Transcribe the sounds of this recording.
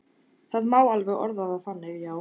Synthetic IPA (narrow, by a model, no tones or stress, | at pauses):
θaðmaːwalvɛɣɔ̰ɾðaðaθanːɪɣjaːw